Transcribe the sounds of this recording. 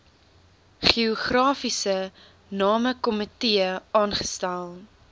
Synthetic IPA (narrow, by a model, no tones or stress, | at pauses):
χiɔχrɑːfisə | nɑːməkɔmətiəɑːnχə̥stælˠ